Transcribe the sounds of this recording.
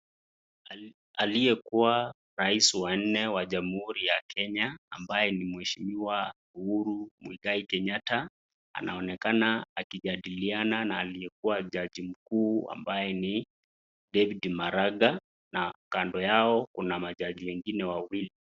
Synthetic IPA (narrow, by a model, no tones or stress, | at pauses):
alijɛkuwa | ɾaisiwan̩nɛwaʄamhuɾijakɛɲaːmbajɛnimwɛʃimiwa | uhuɾumwiɡaikɛɲata | a̰nʔaɔnɛkanaːkiʄaɗiliananaːlijɛkuwaʄaʄim̩kuːa̰mbajɛni | dɛvidimaɾaɡa | nakandɔjaɔkunamaʄaʄiwɛŋɡinɛwawili